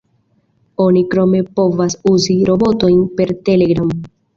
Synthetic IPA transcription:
o̞nikɾo̞me̞po̞vasuziɾo̞bo̞to̞jnpe̞ɾte̞le̞ɡɾam

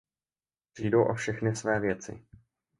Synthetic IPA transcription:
pr̥iːdo̞wʔofʃɛxnɪsvɛːvjɛt͡sɪ̰

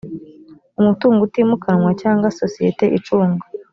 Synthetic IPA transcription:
umutuːŋɡutimukaŋwacaːŋɡwasosijeteʔit͡ʃuːŋɡa

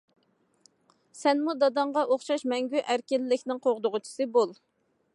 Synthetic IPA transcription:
sɛnmud̪ɑd̪ɑɴʁɑʔoχʃɑʃmɛŋɡʲyʔæɾkʲɪlːɪkʲnɪŋqʰoʁd̪ʊʁʊt͡ʃʰi̥sɨbolˠ

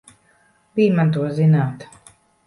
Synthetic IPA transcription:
biːjmant̪̬uɔzinaːt̪

